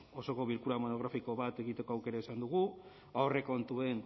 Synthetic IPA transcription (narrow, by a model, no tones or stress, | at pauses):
o̞so̞ko̞βilkuɾamo̞no̞ɣ̞ɾafiko̞βat̪e̞ɣit̪e̞ko̞awke̞ɾaesand̪uɣ̞u | awre̞ko̞nt̪ue̞n